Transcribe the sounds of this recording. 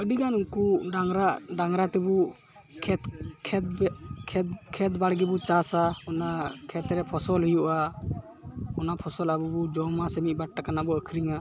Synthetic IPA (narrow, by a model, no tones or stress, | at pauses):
əɖiɡanuŋkuaŋɾaɖaŋɾat̪ɛbu | kʰɛt̪kʰɛkʰɛt̪̚baɽɡɛbut͡ʃasaɔnakʰɛt̪ɾɛpʰɔsɔlɦujuʔa | ɔnapʰɔsɔlabubɔd͡ʒɔmasəmiʔ̚baʈ̚ːakanabɔəkʰɾiŋa